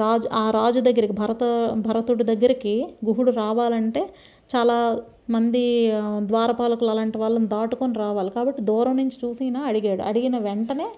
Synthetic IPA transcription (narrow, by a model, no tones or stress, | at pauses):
aːd͡ʒuaːɾaːd͡ʒud̪ɐɡːɐɾikibʱɐɾɐt̪ɐbʱɐɾɐt̪uɽud̪ɐɡːɐɾikiɡuɦuɽuɾaːʋaːlɐɳʈe̞ː | t͡ʃaːlaː | mɐnd̪id̪ʋaːɾɐpaːlɐkulɐːlaːɳʈiʋaːɭːɐnd̪aːʈukoniɾaːʋaːlikaːbɐʈːid̪ɔːɾɐmnuɲt͡ʃi̥t͡ʃuːsiːnaːɐɽiɡaːɽṵɐ̰ɽiɡinɐʋeɳʈɐne̞ː